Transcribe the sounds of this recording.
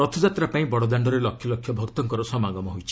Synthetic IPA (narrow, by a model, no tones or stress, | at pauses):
ɾɔt̪ʰɔd͡ʒat̪ɾapaĩbɔɽɔd̪aɳɖɔɾelɔkʰjɔlɔkʰjɔbʱɔkt̪ɔŋkɔɾɔsɔmaɡɔmɔɦojt͡ʃʰi̥